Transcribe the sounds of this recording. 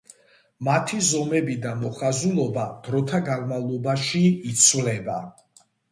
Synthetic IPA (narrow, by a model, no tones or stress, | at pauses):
mat̪ʰizɔmɛbid̪amɔχazulˠɔbad̪̥ɾɔt̪ʰaɡanmavlˠɔbaʃiːt̪sʰvlɛba